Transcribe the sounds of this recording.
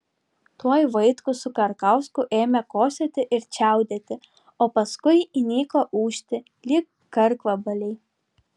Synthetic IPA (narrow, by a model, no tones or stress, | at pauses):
t̪uɔjʋɐɪt̪kʊsʊkɐɾkɐʊskʊʔeːmʲɛkoːsʲet̪ʲɪʔɪɾt͡ʃʲæˑʊd̪ʲet̪ʲɪ | oːpɐskʊɪinʲiːklˠoːʔuːʃʲt̪ʲɪ | lʲɪkːɐɾkʋɐbɐlʲɛɪ